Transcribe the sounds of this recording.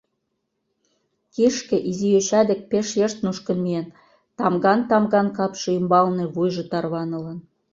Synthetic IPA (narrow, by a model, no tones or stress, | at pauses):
kiʃkĕʔizijøt͡ɕɑd̪ĕk̚peʃjeʃt̪̚nuʃkə̆nmien | t̪ɑmɡɑnt̪ɑmɣɑnkɑpʃĕymbɑlnĕβujʒɤ̆t̪ɑrβɑnɤ̆lɤn